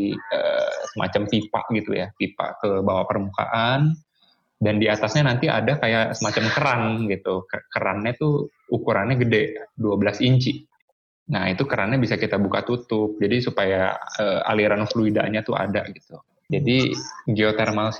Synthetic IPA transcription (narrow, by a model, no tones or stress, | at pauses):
ə̰ːsəmʔa̰t͡ʃampipa̰ʔɡit̪ṵja̰pipa̰ʔkəbawapərmuka̰ʔan | dandiat̪asɲanant̪iʔa̰dakajaʔsəmat͡ʃamkəɾanɡit̪ukəkəɾa̰nɲat̪u | ukuɾanɲaɡədɛʔduabəlasiɲt͡ʃiʔ | nait̪ukəɾanɲabisakit̪abukat̪ut̪ʊp̚d͡ʒadisupajaəːa̰liɾanfluida̰ɲat̪ua̰da̰ɡit̪u | d͡ʒadiɡeot̪ɛrmals